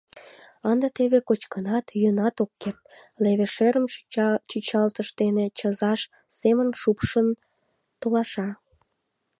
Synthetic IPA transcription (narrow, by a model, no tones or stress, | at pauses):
ɑnd̪ət̪eβekot͡ɕkənɑt̪jønɑt̪okːert̪leβeʃøɾəmt͡ɕyt͡ɕɑlt̪əʃt̪enet͡ɕəzɑʃ | semənʃupʃən | t̪olɑʃɑ